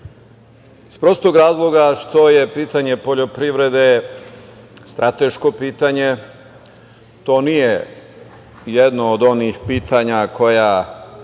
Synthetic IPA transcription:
ispɾo̞st̪oɡɾaːzlˠo̞ɡaʃt̪o̞je̞piːt̪aɲe̞po̞ʎo̞pɾiʋɾe̞d̪e | st̪ɾʔat̪e̞ʃko̞piːt̪aɲe̞ | t̪o̞ːnije | jed̪noːd̪o̞nixpiːt̪ʰaɲakʰo̞ja

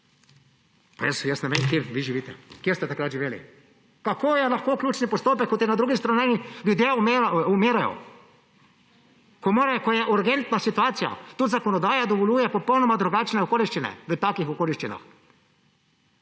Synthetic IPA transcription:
pajəsjəsnɛmekjeʋiʒiʋiːt̪ɛ̰kjeɾst̪ɛt̪akɾat̪ʒiʋeːlḭ | kakoːjɛlaxkoːkljuːt͡ʃnipɔst̪oːpɛkːɔt̪jɛnad̪ɾuːɡist̪ɾananilʲjud̪jeumeːɾajɔ̰ | kɔmoːɾakojɛʔuɾɡɛnt̪nasit̪uaːt̪sija̰t̪ut̪zakɔnɔd̪aːjad̪ɔʋɔlʲjuːjɛpɔpɔwnɔmad̪ɾuɡaːt͡ʃnɛɔkoːliʃt͡ʃinɛ̰ʋət̪aːkixɔkoːliʃt͡ʃina̰x

